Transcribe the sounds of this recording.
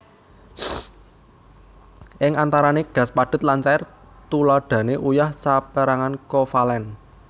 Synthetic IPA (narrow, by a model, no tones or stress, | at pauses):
ʔɪŋant̪aɾaneɡ̥ä̤spaɖ̪̥ʊ̤t̪̚lant͡ʃaɪr | t̪ulaɖ̥a̤neʔujahsapəɾaŋankɔfalɛn